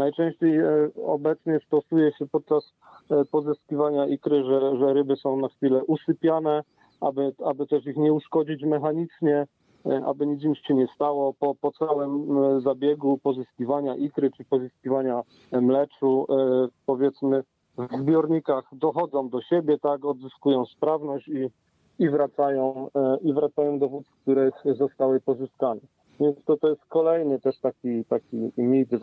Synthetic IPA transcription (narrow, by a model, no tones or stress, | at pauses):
najt͡ʂɛ̃w̃ɕt͡ɕejɔ̰bɛt̪sɲɛst̪ɔsujɛɕɛpɔt̪̚t͡ʂas | pɔzɨskʲivaɲaikɾɘʐɛʐɛɾɘbɘsɔ̃w̃naxfʲilɛʔusɘpʲjanɛ | abɘabɘt̪ɛʂixɲɛuʂkɔd͡ʑit͡ɕmɛxaɲit͡ʂɲɛ | ʔa̰bɘɲit̪s̬ɲit̪ɕɛɲɛst̪awɔpɔpɔt̪sawɛmzabʲjɛɡupɔzɨskʲivaɲaʔikɾɘt͡ʂɘpɔzɨskʲivaɲa | mlɛt͡ʂu | pɔvʲjɛt̪smɘ | vzbʲjɔɾɲikaxd̪ɔxɔd̪zɔ̃w̃d̪ɔɕɛbʲjɛt̪akɔd̪zɘskujɔ̃w̃spɾavnɔɕt͡ɕi | ivɾat̪sajɔ̃w̃ivɾat̪sajɔ̃w̃d̪ɔvut̪sk̚t̪uɾɛzɔst̪awɘpɔzɘskanɛ | vʲjɛnst̪ɔt̪ɔjɛst̪̚kɔlɛjnɘt̪ɛʂt̪akʲit̪akʲimʲejt̪ɘ